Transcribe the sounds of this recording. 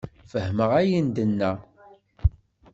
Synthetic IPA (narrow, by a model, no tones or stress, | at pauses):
fəhməʁæjind̪ənːæ